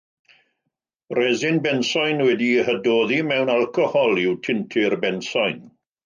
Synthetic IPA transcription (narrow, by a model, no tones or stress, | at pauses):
rɛzɪnbɛnsɔjnwɛdihədoːðimɛwnalˠkʰɔhɔlˠɪwtʰɪntʰɪrbɛnsɔjn